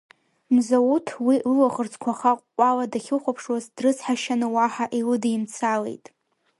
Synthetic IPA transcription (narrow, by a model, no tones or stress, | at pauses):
mzautʰwilɨlaχərt͡sʰʼkʷʰaχaqːʷʼaladaχʲɪχʷapʰʂwazdrɨsħaʃanɨwaħaʔilɨdejmt͡sʰalḛjtʼ